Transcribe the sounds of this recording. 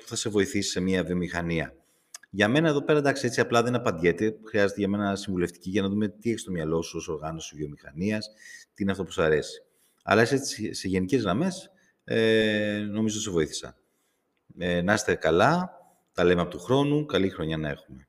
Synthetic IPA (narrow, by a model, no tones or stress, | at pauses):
pu̥θɐse̞vo̞iθisi̥se̞miɐvio̞mixɐniɐ | ʝɐme̞nɐeðo̞pe̞ɾɐend̪ɐksie̞t͡siɐplɐðenɐpɐnd̪ʝe̞t̪exɾiɐze̞t̪eʝɐme̞nɐsiɱvule̞ft̪i̥ciʝɐnɐðume̞t̪ieçist̪o̞mɲɐlo̞suo̞so̞ɾɣɐno̞sivio̞mixɐ̰niɐst̪iineɐft̪opu̥sɐɾe̞si̥ | ɐ̰lɐeset͡sise̞ʝe̞nice̞zɣɾɐme̞s | eno̞mizot̪ise̞vo̞iθi̥sɐ̰ | nɐst̪ekɐlɐ | t̪ɐle̞meɐpo̞t̪uxɾo̞nukɐlixɾo̞ɲɐnɐe̞̰xume̞